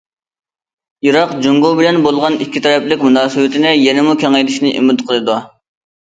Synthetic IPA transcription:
iɾɑqd͡ʒuŋɡobɪlɛnbolˠʁɑnikʲʰːit̪ʰɛɾɛplɪkʲmunɑːsɨwɪt̪ʰɪnɪjenɪmukʲɛŋɛjd̪ɪʃnɪʔḭmɪt̪qʰəlˠɨd̪u

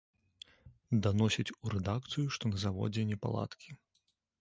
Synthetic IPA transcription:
d̪anɔsʲɐt͡sʲuɾɛd̪ak̚t̪sɨjuʂt̪ɔnɐzavɔ̰d͡zʲɛnʲɛpa̰lˠa̰t̪kʲʰi

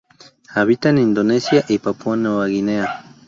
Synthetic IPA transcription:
aβit̪anind̪onesjaʔipapuanowaɣinea

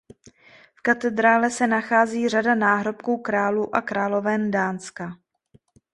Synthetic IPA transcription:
fkat̪ɛd̪ɾaːlɛsɛnaxaːziːradanaːɦɾo̞pkuːkɾaːluːʔakɾaːlo̞vɛːndaːnska

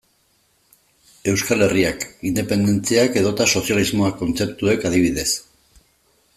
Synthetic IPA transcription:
e̞wskale̞riakind̪e̞pe̞nd̪e̞nt͡siake̞ðo̞t̪aso̞sjalizmoako̞nt͡se̞pt̪ue̞kaðiβ̞iðe̞s

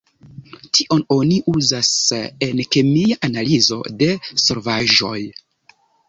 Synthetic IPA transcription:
tiʔo̞no̞niʔuzase̞nke̞miaʔanalizo̞̰de̞so̞ɾvaʒo̞̰j

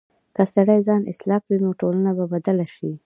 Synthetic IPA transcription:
kasaɽajzɑnɪ̰slɑkwinoʈolanababad̪alaʃi

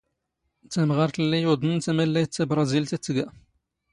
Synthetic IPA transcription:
t͡s̪æmʁɑɾˤt̪lːijud̪ˤənt̪æmælːæjt̪ːæbɾˤɑzilt̪æt͡s̪ːəɡæ

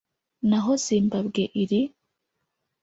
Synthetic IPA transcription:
naɦoziːmbabɡeʔiɾi

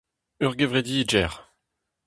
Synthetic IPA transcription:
œʁɡevʁed̪iːd͡ʒʒɛʁ

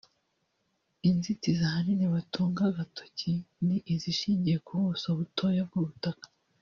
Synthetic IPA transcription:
inzitizahaniniβatʰuːŋɡaɡatʰo̥ciniʔiziʃiːɲɟije̞kʰuβusoβutʰojab̚ɡoβutakḁ

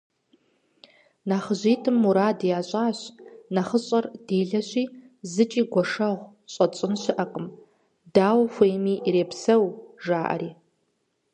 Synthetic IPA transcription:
naχəʑiːtʰɨmːuɾaːdjaːɕʷʼaːɕnaχəɕʼɐrd̥eːɮɐɕʷiː | zɨt͡ʃʼiːɡʷɔʂɐʁʷ | ɕʷʼɐt͡ʃʼɪnɕɪʔɐqʼəm | daːwxʷejmiːʔɾeːpsɐwʐaːʔɐ̰ɾiː

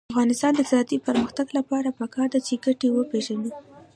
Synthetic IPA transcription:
afɣɑnɪst̪ɑnd̪əzɑt̪ipəɾməxt̪aɡlapɑɾapəkɑɾd̪at͡ʃeɡaʈewəpeʒani

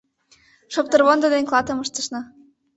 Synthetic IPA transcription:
ʃop̚t̪ɤ̆rβond̪ɤ̆d̪enklˠɑt̪ɤ̆məʃt̪ə̆ʃnɤ̆

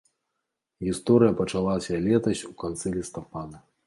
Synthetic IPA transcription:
ɣʲist̪ɔɾɨjɐpɐt͡ʂalˠasʲɐlʲɛt̪ɐsʲukant̪sɨlʲist̪apad̪ɐ

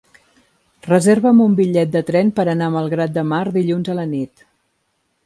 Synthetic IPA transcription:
rəzeɾβəmumbiʎɛt̪̚d̪ət̪ɾɛnpəɾənaməlˠɣɾat̪̚d̪əmaɾd̪iʎunzələnit̪

